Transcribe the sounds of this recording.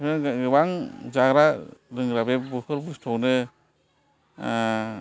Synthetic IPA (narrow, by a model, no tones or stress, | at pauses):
nɯɡɯbaŋzaɡɾaɾɯŋɾabebuhɯɾbustʰɔwnɯ